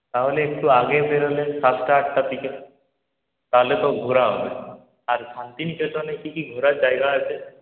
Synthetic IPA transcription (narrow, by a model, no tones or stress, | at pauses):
t̪aɦoleːkʈuaɡepeɾelensasʈaːkt̪ap̪ike | t̪aɦolet̪ɔɡʱuɾaɦɔbe | aɾsant̪inkʰet̪ɔnekikiɡʱuɾad͡ʒajɡaɔsʰe